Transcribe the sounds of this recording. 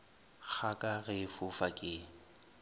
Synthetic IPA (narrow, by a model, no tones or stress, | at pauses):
k͡xʰakʼaɣɪfʊfakʼɪː